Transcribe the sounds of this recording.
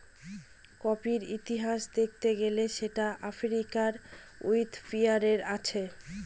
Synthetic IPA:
kɔpiɾit̪iɦaʃd̪ek̚ʰt̪eɡeleʃeʈaʔafɾikaɾujt̪fiaɾeɾat͡ɕʰe

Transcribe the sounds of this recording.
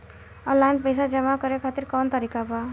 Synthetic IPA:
ʌlanpʌjsad͡zʌmakʌɾekʰʌt̪iɾkɔnt̪ʌɾikaba

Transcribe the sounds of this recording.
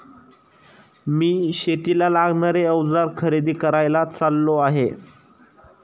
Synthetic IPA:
miːɕet̪ilalaɡɳaɾeəʋd͡zaɾkʰəɾid̪iːkəɾajlat͡salːoaɦe

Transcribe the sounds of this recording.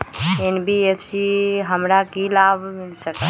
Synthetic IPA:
enbiefʰsiɦəmɾakilaːbmɪlsək̪a

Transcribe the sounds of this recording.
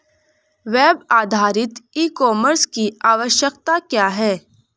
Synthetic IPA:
ʋeːbaːd̪ʱaːɾɪt̪iːkɔːməɾskiaːʋəʃjəkt̪akjaːɦɛː

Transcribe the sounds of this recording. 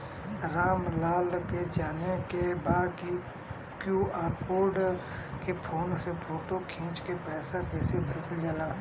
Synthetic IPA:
ɾaːmlaːlked͡ʒaːnekebaːki | kjuːaːɾkoːɾɖ | kepʰoːnsepʰoːʈokʰĩːt͡ʃkepɛːsakesebʱɐt͡ʃld͡ʒalãː

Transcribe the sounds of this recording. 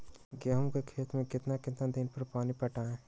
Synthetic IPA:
ɡɛːɦũmkekʰeːt̪mẽkɪt̪nakɪt̪nad̪ɪnpɐɾpaːnipɐʈaːẽ

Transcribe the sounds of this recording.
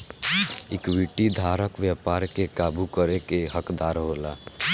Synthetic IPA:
ikʋiʈid̪ʱaɾəkʋjapaɾkekabukəɾekeɦəkd̪aɾɦola

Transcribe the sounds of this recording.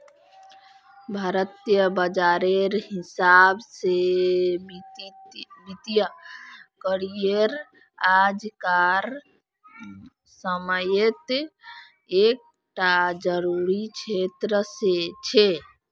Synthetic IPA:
bʱaɾət̪jəbəd͡ʒaɾeɾɦisabse | bit̪jə | kəɾieɾ | ad͡ʒkaɾ | səməjet̪ | ek̚ | ʈad͡ʒəɾuɾit͡ʃʰet̪ɾəset͡ʃʰe

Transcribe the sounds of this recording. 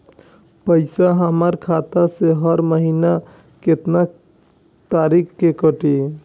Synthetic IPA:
pəɪsaɦəmaɾkʰat̪aseɦəɾməɦina | ket̪na | t̪aːɾikkekəʈi

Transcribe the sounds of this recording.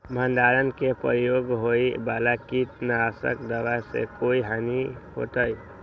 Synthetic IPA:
mʱənd̪aɾənkepəɾjoɡɦoibalakit̪naasə̰kd̪əʋasḛkoiɦaniɦo̰t̪əj

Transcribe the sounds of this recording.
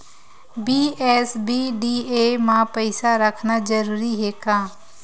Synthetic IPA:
biːɛːsbiːɖiːeːmãːpəɪsaɾəkʰnaːd͡ʒəɾuːɾiɦeːkãː

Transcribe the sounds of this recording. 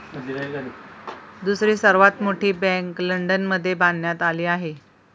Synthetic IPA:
d̪usɾiːsəɾʋat̪moʈʰiːbɛ̃ŋkləɳɖənməd̪ʱːjeband̪jat̪aliːaɦe

